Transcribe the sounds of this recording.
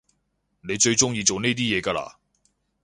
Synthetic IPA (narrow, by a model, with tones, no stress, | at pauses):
ne˨˧jt͡ʃɵ˧ɥt͡ʃʊ˥ŋjiː˧t͡so˨wne˥jt̪iː˥jɛː˨˧kaː˧la̰ː˧˩